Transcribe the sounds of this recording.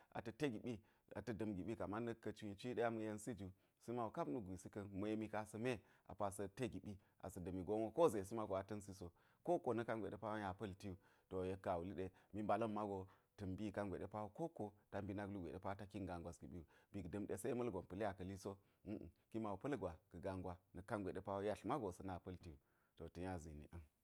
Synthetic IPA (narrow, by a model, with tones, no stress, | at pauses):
a̰˨tɐ˨te˦ɡi˨ɓi˦ | a̰˨tɐ˦dɐ˨mɡi˨ɓi˦ka˨ma˦nə˦kːɐ˨t͡ʃu˦i˨t͡ʃi˦ɗe˦ja˦mɐ˨je˦nsi˦d͡ʒu˨ | si˦ma˨wo˨ka˦bnu˦ɡʷi˨si˦kɐ˦nmə˨je˦mi˦ka˦sɐ˦me˦ | a̰˨pa˨sɐ˦te˦ɡi˨ɓi˦ | a̰˨sɐ˨dɐ˨mi˨ɡo˦o˦ko˦ze˨s̬i˦ma˦ɡo˨a˨tɐ˦nsi˦so˨ | ko˦ko˨nɐ˦ka˦nɡʷḛ˨ɗe˦pa˦wja˨pɐ˦lti˦ju˦˨ | to˨je˦kːa˨wu˨li˦ɗe˦mi˨ba˨lɐ˦mːa˦ɡo˨ | tɨ˨mbi˦˨ka˦nɡʷḛ˨ɗe˦pa˦wo˦ko˦ko˦ta˦mbi˦na˦ɡlu˦ɡʷḛ˨ɗḛ˦pa˦ta˦ki˦ŋɡa˨ŋɡʷwa˨sɡi˨ɓi˦ju˨bi˨kdə˨mɗe˨se˦mɐ˦lɡʷo˨npə˨le˦a˨kɐ˨li˦so˦˨ | ki˦ma˨wo˨pɐ˦lɡʷa˨kə˨ɡa˨ŋɡʷwʷa˦nɐ˨ka˦nɡʷe˨ɗe˦pa˦wo˦ja˦ɬma˦ɡo˨sɐ˨na˨pɐ˦lti˦ju˨ | to˨tə˨ja˦zi˨nḭ˨ʔɐ˦n